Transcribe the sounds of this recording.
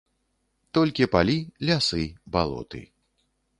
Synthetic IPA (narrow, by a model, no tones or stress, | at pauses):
t̪ɔlʲkʲipalʲilʲasɨbalˠɔ̰t̪ɨ̰